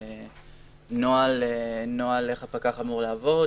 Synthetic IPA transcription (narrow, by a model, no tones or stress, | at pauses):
e | noalenoaleχapakaχamuʁlaːvo̞